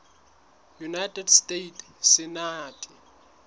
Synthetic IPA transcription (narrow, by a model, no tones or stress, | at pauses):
junajtʰʼɛdstʼejtʰ | sɪnaːtʼi̥